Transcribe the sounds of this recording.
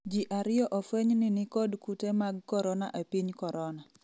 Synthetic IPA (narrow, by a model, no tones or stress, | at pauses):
d͡ʒiʔaɾɪɔʔɔfweɲnɪnɪkɔdkutemaɡ̚kɔɾɔna̰ʔepiɲkɔɾɔna